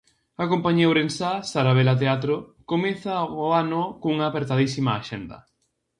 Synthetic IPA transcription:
akompaɲewɾensasaɾaβ̞elat̪eat̪ɾʊkomeθaoanʊkouŋaːpeɾt̪aðisimaːʃend̪ɐ̰

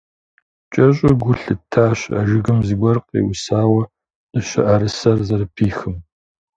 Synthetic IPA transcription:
t͡ʃʼɐɕʼʊɡʷʊɬɨtʰːaːɕɐ̰ʒɪɣɨmzɨɡʷɔrqḛːwʊsaːwɐ | ʔɨɕɐ̰ʔaɾɨsɐrzɐɾɨpʰiːxɨm

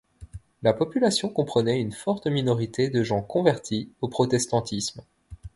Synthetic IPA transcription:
lapɔpylasjɔ̃kɔ̃pχənɛynfɔʁt̪minɔʁit̪ed̪əʒɑ̃kɔ̃vɛʁt̪ʰiopχɔt̪ɛst̪ɑ̃t̪ʰism

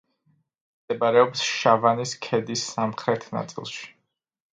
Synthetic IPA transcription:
d̪ɛbaɾɛɔpsʃavaniskʰɛd̪isːamχɾɛt̪ʰna̰t̪sʼḭlˠʃi̥

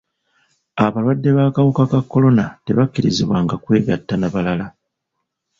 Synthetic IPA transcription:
aβalwadːe̞βaːkawukakakːo̞lo̞nate̞βakːiɾiziβwaŋɡakwe̞ːɡa̰tːanaβalala

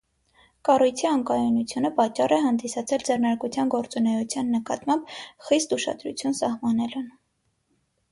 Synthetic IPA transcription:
kɑrujt͡s̪ʰiɑŋkɑjunut͡sʰjunəpɑt͡ʃːɑrɛɦɑnd̪isɑt͡sʰɛld͡zɛrnɑɾkut͡sʰjɑnɡɔɾt͡sunɛjut͡sʰjɑnːəkɑt̪mɑmbχist̪uʃɑ̰d̪ɾṵt͡sʰjunsɑhmɑnɛlun

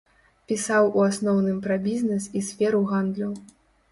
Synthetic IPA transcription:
pʲisawuasnɔwnɨmpɾɐbʲiznɛsisʲfʲɛɾuɣand̪lʲɐw

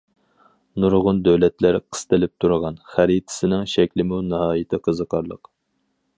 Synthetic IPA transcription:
nuɾʁʊnd̪æwlɛt̪læɾqʰə̥st̪ɨlɪp̚t̪ʰuɾʁɑnχæɾit̪ʰɪ̥sɪnɪŋʃɛkʲlɪmunɨɦɑːjɪt̪ʰɪqʰəzəqʰɑɾlˠəq

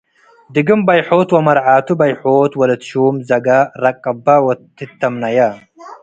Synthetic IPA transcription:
d̪ɨɡɨmbɐjħoːt̪wɐmɐɾʕaːt̪ubɐjħoːt̪wɐlɐt̪ʃuːmzɐɡaɾɐkʼːɐbawɐt̪ːɨt̪ːɐmnɐja

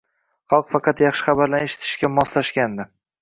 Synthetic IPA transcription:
χɑlˠqfɑqʰɑt̪jɑχʃɪ̥χɑbaɾlaneʃɪ̥t̪ʰɪ̥ʃkʲamɒslaʃkʲand̪ɪ

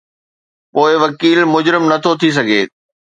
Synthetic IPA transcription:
poːɪʋɐkiːlmʊd͡ʑɾɪmnɐt̪ʰot̪ʰis̬ɐɡʱeː

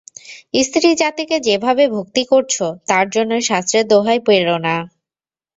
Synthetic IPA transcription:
ist̪ɾid͡ʑat̪iked͡ʑebʱabebʱuk̚t̪ikoɾt͡ɕʰot̪aɾd͡ʑonːoeʃast̪ɾed̪oɦajpeɾona

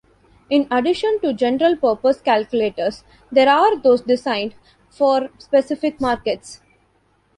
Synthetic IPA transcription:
ɪ̃nɐɖɪʃə̃nʈud͡ʒɛ̃nəɾəlpəːɾpəskælkjʊleːʈəɾs | d̪eːɾaːɾd̪oːsɖɪsãɪ̃ɳɖ | fɔːɾspesɪfɪkmaːɾkeʈs

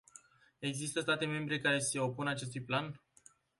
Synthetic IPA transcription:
e̞ɡzist̪əst̪at̪e̞me̞mbɾe̞kaɾe̞se̞o̞punat͡ʃe̞s̬t̪ujplan

